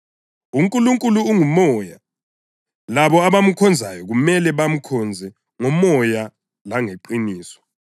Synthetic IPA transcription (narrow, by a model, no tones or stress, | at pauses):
uŋkʼuluŋkʼuluːŋumɔːja | laβɔaβam̩kʰɔnd͡zʱajɔɣumɛlɛβam̩kʰɔnd͡zʱɛ | ŋɔmɔja | laŋeǃiniːsɔ̥